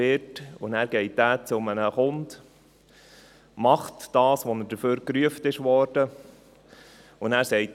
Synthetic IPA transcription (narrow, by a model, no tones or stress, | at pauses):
ɪɾtʊnæːɾɡɛɪt̚d̥æːt͡sʊmənəχʊnd | mɑχtd̥ɑːsʋɔnəɾdəføːɾkɾyəftɪʃʋɔːɾd̥ə | ʊnæːɾsɛɪt